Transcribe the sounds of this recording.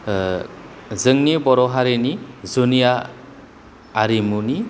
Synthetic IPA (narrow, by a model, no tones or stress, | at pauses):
zɯŋnibɔɾɔɦaɾenizunija | ɾimuni